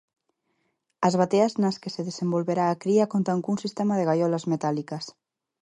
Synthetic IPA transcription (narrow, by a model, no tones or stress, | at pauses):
azβ̞at̪eaznaskeseðesembolβeɾaːkɾiakont̪aŋkunsist̪ɛmaðeɣajɔlazmet̪alikɐs